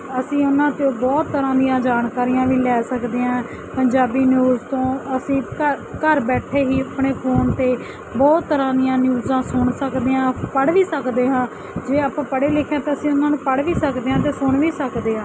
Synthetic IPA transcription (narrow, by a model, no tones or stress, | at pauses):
əsĩːʊnãːt̪eoːbɔːt̪ːəɾãːd̪ɪjãːd͡ʒaːnkaːɾiːjãːʋiːlɛːsəkd̪eːãː | pəɲd͡ʒaːbiːnjuːzt̪õːəsĩːkəɾkəɾbɛːʈʰeːɦiːəpɳeːpʰoːnt̪eː | bɔːt̪ːəɾãːd̪ɪjãːnjuːzãːsʊɳsəkd̪eːãːpəɽʋiːsəkd̪eːɦãː | d͡ʒeːaːpãːpəɽeːlɪkʰːjãːt̪eːəsĩːʊnãːnũːpəɽʋiːsəkd̪eːɦãːt̪eːsʊɳʋiːsəkd̪eːɦãː